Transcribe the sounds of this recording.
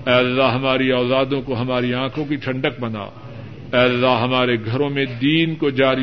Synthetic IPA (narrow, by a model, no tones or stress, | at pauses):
ɛːɐlːaɦɦɐmaːɾiaːlaːd̪õkoɦɐmaːɾiãːkʰõkiʈʰɐ̃ɳɖək̚bɐna̰ː | ɛːɐlːaɦɦɐmaːɾeɡʱɐɾõmẽd̪iːnkod͡ʒaːɾi